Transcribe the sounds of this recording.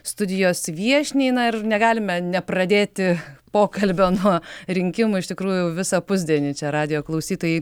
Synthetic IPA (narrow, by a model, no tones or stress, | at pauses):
st̪ʊd̪ʲɪjoːsʋʲiɛʃʲnʲɛɪnɐɪrnʲɛɡɑːlʲɪmʲɛnʲɛprɐd̪ʲeːt̪ʲɪpoːkɐlʲbʲoːnuɔɾʲɪŋʲkʲɪmʊɪʃt̪ʲɪkɾuːjʊjɛʋʲɪsɐpʊzʲd̪ʲiɛnʲɪt͡ʃʲɛɾɑːd̪ʲɪjoːklˠɐʊsʲiːt̪oːjɛɪ